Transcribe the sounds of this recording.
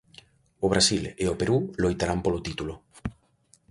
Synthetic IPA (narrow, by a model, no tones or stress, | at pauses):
oβ̞ɾasileopeɾulojt̪aɾampolot̪it̪ulo